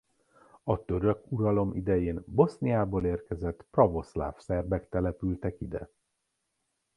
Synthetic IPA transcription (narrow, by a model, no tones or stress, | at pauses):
ɒt̪ø̞ɾøkuɾɒlo̞mʔḭd̪ɛjeːnbo̞snijaːboːleːrkɛzɛt̪ːprɒvo̞sla̰ːfsɛrbɛkt̪ɛlɛpylt̪ɛkid̪ɛ̰